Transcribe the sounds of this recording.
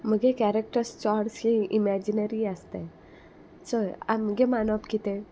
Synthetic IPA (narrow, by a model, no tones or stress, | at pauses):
m̤əɡekæɾek̚ʈəɾst͡ɕaɾshĩʔimɛd͡ʑinəɾiəst̪ẽ | səa̰mɡemanɔpkit̪ẽ